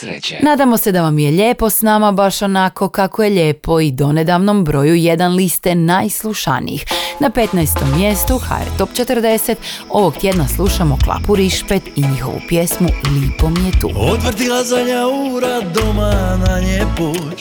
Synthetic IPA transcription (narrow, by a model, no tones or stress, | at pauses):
naːd̪amo̞se̞d̪aʋamjeʎeːpo̞snaːmabaʃo̞nako̞kakojeʎe̞ːpo̞id̪o̞ne̞d̪aʋno̞mbɾo̞juje̞d̪anlist̪enajslˠuʃa̰nḭjḭxnape̞t̪najst̪o̞mːje̞st̪uxa̰ḛɾt̪o̞pt͡ʃe̞t̪əɾd̪e̞set̪o̞ʋoɡt̪je̞d̪naslˠuʃamo̞klˠa̰puɾiʃpet̪iɲixo̞ʋṵpje̞smulipo̞mjet̪ṵːot̪ʋr̩d̪ilˠazaɲauɾad̪omanaɲepu